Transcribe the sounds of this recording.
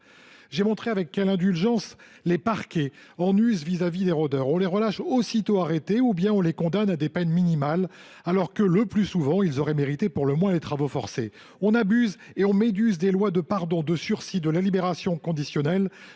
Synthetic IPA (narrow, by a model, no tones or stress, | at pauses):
ʒemɔ̃t̪χeavɛkːɛlɛ̃d̪ylʒɑ̃s | lepaʁkʲeɑ̃nyzvizavid̪eʁod̪œʁɔ̃leʁəlaʃosit̪oaʁet̪eubjɛ̃ɔ̃lekɔ̃d̪anad̪epɛnminimal | alɔʁkələplysuvɑ̃ilzɔʁɛmeʁit̪epuʁləmwɛ̃let̪χavofɔʁsḛ | ɔ̃nabyz | eɔ̃med̪yzd̪elwad̪əpaʁd̪ɔ̃d̪əsyʁsid̪əlalibeʁasjɔ̃kɔ̃d̪isjɔnɛl